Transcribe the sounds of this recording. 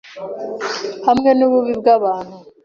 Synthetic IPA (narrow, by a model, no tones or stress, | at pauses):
hamŋe̞nuβuβibɡaβaːn̥hu